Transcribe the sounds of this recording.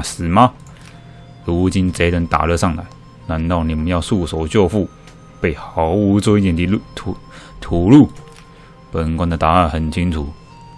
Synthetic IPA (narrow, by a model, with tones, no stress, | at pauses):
sɹ̩˨˩ma˧˦ | ɻu˧˥t͡ɕi˥nt͡se˧˥ɪlə˧˥nt̪a̰˨lɤ˥˧ʂɑ˥˩ŋla̰˧˥ɪ | na˧˥nt̪ɑ˥˩ʊni˨˩mə˦njɑ˥˧ʊsu˥˩so˨˧˥ʊt͡ɕjɔ˥˧fu˥˩ | pe˥˩ɪxɑ˧˥ʊu˧˥t͡so˥˧i˥˩t̪jɛ˨˩nt̪ʰi˧˥lt̪ʰu˨˩ | t̪ʰu˨˩lu˥˩ | pə˨˩kwa˧˥ŋd̪ə˨t̪a˨˥a˥˩nxə˨˩nt͡ɕʰi˥ŋt͡sʰu˨˩˦